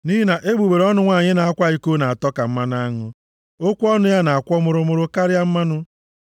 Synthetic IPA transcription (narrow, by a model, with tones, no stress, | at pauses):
ni˦i˦na˨ʔe˦ɡ͡bu˨ɡ͡be˨ɾɔ˦nʊ˦ŋʷa˦˨ɲɪ˦na˨a˦kʷa˦i˦ko˦na˨a˨tɔ˦ka˨m̩˦ma˦na˦ŋʊ˦ | o˦kʷu˦ɔ˦nʊ˦ja˦na˨a˨kʷɔ˦mʊ˨ɾʊ˨mʊ˨ɾʊ˦ka˦ɾɪ˦a˦m̩˦ma˦nʊ˦